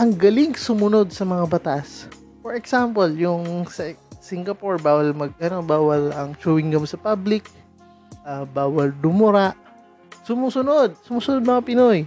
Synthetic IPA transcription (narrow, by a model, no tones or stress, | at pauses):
ʔɐŋɡɐlɪŋsʊmʊno̞d̪̚sɐmɐŋabɐt̪as | fɔɹɛksampoljʊŋsɐsiŋɡɐpoɹbaːwɐlmɐɡ̚ʔɐno̞baːwɐlʔɐŋt͡ʃuːwɪŋɡɐmsɐpablɪk̚ | ʔabaːwɐld̪ʊmʊɾaʔ | sʊmuːsʊnod̪̚sʊmuːsʊnod̪̚mɐŋapɪnoj